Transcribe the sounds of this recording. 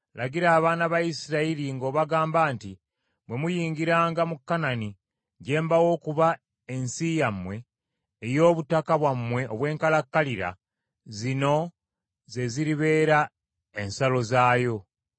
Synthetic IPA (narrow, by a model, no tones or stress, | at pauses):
laɡiɾaːβaːnaβaisiɾailiŋɡo̞ːβaɡaːmbaːnti | βwe̞mujiːŋɡiɾaːŋɡamukːanani | ɟe̞ːmbawo̞ːkuβa | e̞nsijamːwe̞ː | jo̞ːβutakaβwamːwe̞ʔoβwe̞ːŋkalakːaliɾa̰ | zino̞ | ze̞ziɾiβe̞ːɾa | e̞nsalo̞zaːjo̞